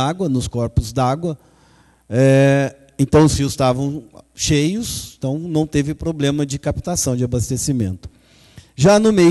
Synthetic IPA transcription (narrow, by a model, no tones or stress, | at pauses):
aɡwɐnʊskɔɾpʊzd̪aɡwɐ | ɛ | ẽnt̪ɐ̃w̃siʊst̪avɐ̃w̃ʃejʊst̪ɐ̃w̃nɐ̃w̃t̪evɪpɾoblẽmɐd͡ʒɪkapt̪asɐ̃w̃d͡ʒɪabast̪esimẽnt̪ʊ̥ | ʒanʊmej